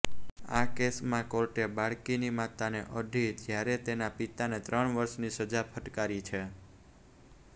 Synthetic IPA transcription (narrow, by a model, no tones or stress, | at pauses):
akesmãkoɾʈebaɭkinimat̪aneʔəɖʱid͡ʒjaɾet̪enapit̪anet̪ɾəɳʋəɾʃnisəd͡ʒapʰəʈkaɾit͡ʃʰe